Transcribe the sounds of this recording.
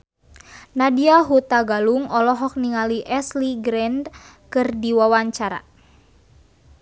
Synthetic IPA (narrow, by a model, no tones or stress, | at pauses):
nadiaɦut̪aɡaluŋɔlɔɦɔk̚niŋaliʔɛsliɡɾɛnd | kɨrdiwawaɲt͡ʃaɾa̰